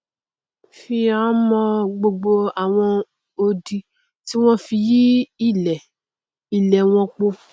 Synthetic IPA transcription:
fi˧ã˨˦mɔ̃˧ɡ͡bo˧ɡ͡bo˧a˨w̃ɔ̃˧ | o˧di˧ | ti˦w̃ɔ̃˦fi˧ji˦i˦˨lɛ˨ | i˨lɛ˨w̃ɔ̃˧k͡po˧

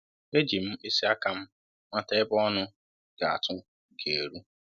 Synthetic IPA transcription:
e˦d͡ʒi˨m̩˦e˦si˦a˦ka˨m̩˦ | mʷa˦ta˦ɪ˦bɔ˦nʊ˦ | ɡ̥a˨a̰˨tʊ˦ | ɡe˨e˨ɾu˦

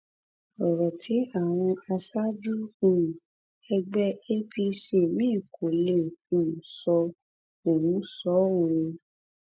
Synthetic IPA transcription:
ɔ˨ɾɔ˨tʰi˨˦a˦˨w̃ɔ̃˧a˧sa˦d͡ʒu˦ũ˦˨ | ɛ˧ɡ͡bɛ˦e˦pi˧se˦˨mĩː˦˨kʰo˨lẽ˦˨sɔ˧ | o˨wũ˨˦sɔ˨˦wo˨ɾe˧

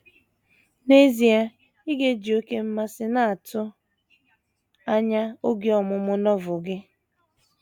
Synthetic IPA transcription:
ne˦zi˨a˦ | i˦ɡe˦d͡ʒi˨o˦ke˦m̩˦ma˦sɪ˦na˦a˨tʊ˦ | a˦ɲa˦o˦ɡi˦ɔ˨mʊ˨mʊ˦nɔ˦vʊ˨ɡɪ˦

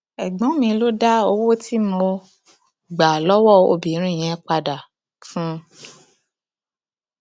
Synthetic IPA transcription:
ɛ˨ɡ͡bɔ̃˨˦mĩ˧lo˦da˦o˧wo˦ti˦mɔ̃˧ | ɡ͡ba˨lɔ˦wɔ˦˨o̰˧bi˨˦ɾ̃ĩ˦˨j̃ɛ̃˨˦k͡pa˧da˨ | fũ˦

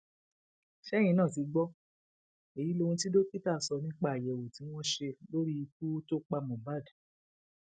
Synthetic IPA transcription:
ʃɛ˦j̃ĩ˧nãː˦˨ti˨ɡ͡bɔ˦ | e˨ji˨˦lo˧ũ˧ti˦do˦pi˦ta˦˨sɔ˧nĩ˦k͡pa˦˨a˨jɛ˨wo˨ti˨˦w̃ɔ̃˦ʃe˧lo˦ɾi˦˧k̚u˦to˦k͡pa˧mɔ̃˨ba˦˨d

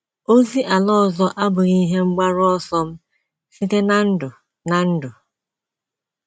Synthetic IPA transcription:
o˦zi˦ʔa˨lɔ˦˨zɔ˦ʔa˦bʊ˨ɾi˦ɦe˦ŋ͡m̩˦ɡ͡ba˦ɾʊ˦ɔ˦sɔ˦m̩˦ | si˦te˦na˦n̩˦dʊ˨ | na˨n̩˦dʊ˨

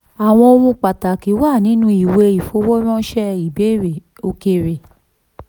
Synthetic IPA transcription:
a˨w̃ɔ̃˧o˧wũ˧k͡pa˨ta˨ki˨˦wa˦˨nĩ˨˦nũ˧˦i˨we˧i˨fo˧wo˦ɾ̃ɔ̃˦ʃɛ˦i˨be˨˦˨ɾe˨ | o˧ke˧ɾe˨

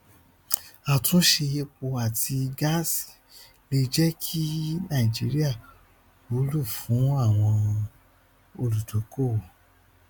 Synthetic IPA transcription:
a˨tũ˨˦ʃe˧je˧k͡po˧a˨tʰi˧ɡa˦si̥˨ | le˧d͡ʒɛ˦kʰi˦nã˦˨i˨d͡ʒi˨˦ɾi˦a˦˨ | o˨˦lu˦˨fũ˨˦a˦˨w̃ɔ̃˧ | o˧lu˨to˨˦ko˦˨

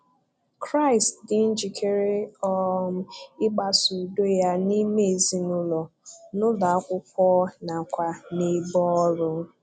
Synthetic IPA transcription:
kɾa˦ɪ˨stdɪ˦n̩˦d͡ʒi˨kʰe˦ɾe˦ɔ˦ | ɪ˦ɡ͡ba˦su˨do˦ja˦ni˦me˦e˨zi˦nʊ˦lɔ˨nʊ˦la˨a˦kʷʊ˦k̚ʷɔː˦na˨kʷa˨ne˨bɔ˦ɔ˦ɾʊ˦

